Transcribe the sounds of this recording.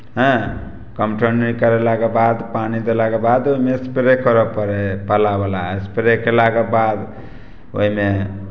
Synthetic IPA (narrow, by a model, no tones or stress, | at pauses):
ɦɛ̃ | kəmʈʰənikəɾelakebad̪panid̪elakebad̪oɦimeespɾekəɾəpəɾepəlabelaespɾekelaɡebad̪ | o̰ɦime